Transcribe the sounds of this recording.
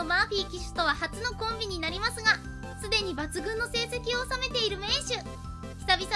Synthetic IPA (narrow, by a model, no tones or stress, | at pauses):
omaːɸiːkʲiɕɨ̥t̪o̞β̞ahat͡sɨno̞kõ̞mbʲiɲ̟inaɾʲimasɨɡa | sɨd̪e̞ɲ̟ibat͡sɨɡɯ̟̃nːo̞se̞ːse̞kʲioːsame̞t̪e̞iɾɯ̟me̞ːɕɨ | çʲi̥sabʲis